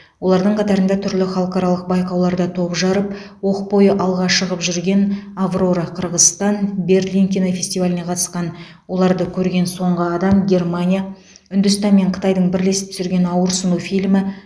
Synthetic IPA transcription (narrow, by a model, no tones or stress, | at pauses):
wo̞lˠɑɾd̪əɴqʰɑt̪ɑɾənd̪ɑt̪ʰʏɾlɪχɑlˠəqɑɾɑlˠəq̚bɑjqɑwlˠɑɾd̪ɑt̪ʰo̞ʒɑɾəp̚ | wo̞qpo̞jəʔɑlˠʁɑʃəʁəpʒʏɾɡʲe̞navro̞ɾəqʰəɾʁəst̪ɑnbʲe̞rlʲijŋkʲenafʲe̞sʲt̪ivalʲɪneqʰɑt̪ə̥sqɑn | wo̞lˠɑɾd̪əkʲʰɵɾɡʲe̞nso̞ɴʁəɑd̪ɑmɡʲe̞rmanʲija | ʏnd̪ʏst̪ɑnme̞ɴqʰə̥t̪ɑjd̪əɴbɪɾle̞sɪp̚t̪ʰʏ̥sɪɾɡʲe̞nɑwəɾsənufijlmɪ